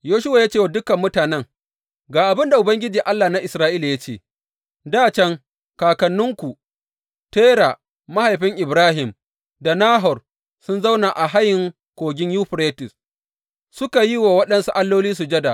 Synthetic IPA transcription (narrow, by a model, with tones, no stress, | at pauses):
joː˦ʃʊ˦waː˨ja˦t͡ʃeː˦˨wa˨dʊ˦kɐ˨mːʊ˦taː˨nɛ˦ŋ | ɡaː˨ʔa˨bɪ˦nda˨ʔʊ˨bɐ˦ŋɡʲɪ˦d͡ʒiː˨ʔa˦lːaː˨na˦ʔɪ˨sɾaː˦ʔiː˦la˨ja˦t͡ʃeː˦˨ | daː˦t͡ʃɛ˦ŋ | kaː˨kɐ˨nːʊ˦ŋkʷu˨ | teː˦ɽa˨ | ma˦ha˨jɸɪ˦ŋʔɪ˨bɾaː˦ɦɪ˨m | da˨naː˦ɦɔ˨r | sʊ˦nza˦wna˨ʔa˨ɦa˦jɪ˨ŋ | kʷoː˨ɡʲɪ˦ɲjuː˦ɸɾeː˦tɪ˨s | sʊ˦ka˨ji˦waː˨wɐ˦ɗɐ˦nsu˦ʔa˦lːoː˦liː˦s̬u˨d͡ʒɐ˦da˨